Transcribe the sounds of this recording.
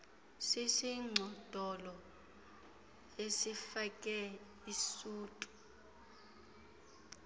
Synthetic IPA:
sisiŋ͡ǀʱɔd̥ʱɔlɔ | esifakʼɛ | isuːtʼu̥

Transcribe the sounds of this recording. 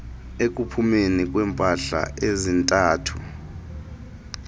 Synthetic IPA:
ek̬ʼupʰumenikʼwɛːmpʼaɬa̰ezintʼaːtʰu̥

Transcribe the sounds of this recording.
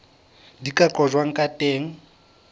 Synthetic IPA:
dikʼakʼɔʒwaŋ̩kʼatʼeːŋ̩

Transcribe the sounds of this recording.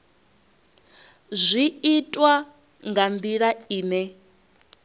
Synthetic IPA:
zʷiitʼwa | ŋɡand̪iɺaiːnɛ

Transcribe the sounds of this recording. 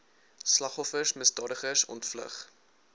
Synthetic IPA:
slɐχɔfəsməsdɑːdəχəsɔ̰ntflə̰χ

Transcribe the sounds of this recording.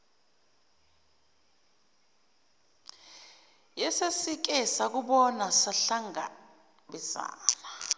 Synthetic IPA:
jɛsesik̬ɛsak̬uɓɔnasaɬaŋa̰ | ɓɛsa̰ːna

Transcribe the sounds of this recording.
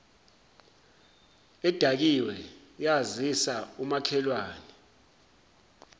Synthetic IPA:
ɛd̥ʱak̬iwɛ | jazisaumakʰɛlwaːnɛ

